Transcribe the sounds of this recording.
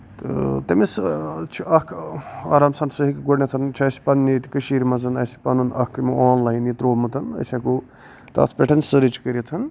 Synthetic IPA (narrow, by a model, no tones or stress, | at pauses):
t̪ɨ̰t̪ɐmist͡ʃʰiʔɐkʰaːɾaːmsɐɳʈsɨɦikɡonet̪ʰɐnt͡ʃʰɐːsi̥pɐnːit̪i̥kɐʃiːɾmɐzɐnɐsi̥pɐnunɐkːmiaːnlɐɦinit̪ɾoːmɨt̪ʰɐnɐ̰sʲaku | t̪ɐ̰ːt̪ʰpʲeʈʰɐnsɨɾit͡ʃkəɾit̪ʰɐn